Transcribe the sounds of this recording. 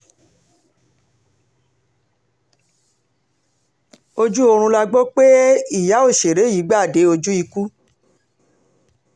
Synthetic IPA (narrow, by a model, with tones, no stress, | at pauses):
o˧d͡ʒu˦o˧ɾ̃ũ˧la˧ɡ͡bɔ˦k͡pe˦i˦˨ja˨˦o˦˨ʃe˨ɾe˨˦ji˨˦ɡ͡ba˦˨de˨˦o˧d͡ʒu˦i˧ku˦